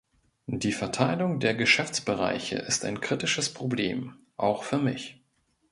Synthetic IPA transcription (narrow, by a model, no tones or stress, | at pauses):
d̥iːfɛɐtʰaɪlʊŋdeːɐɡəʃɛft͡sb̥əʁa̰ɪçə̰ʔɪsta̰ɪnkʁ̥itɪʃəspʁ̥oblḛːm | ʔaʊxfyːɐmɪç